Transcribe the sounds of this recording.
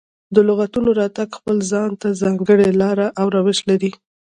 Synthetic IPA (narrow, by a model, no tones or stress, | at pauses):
d̪əlʊɣat̪unoɾɑt̪aɡxpəlzɑnt̪azɑŋɡəɽelɑɾaʔawɾɑwɪʃlaɾi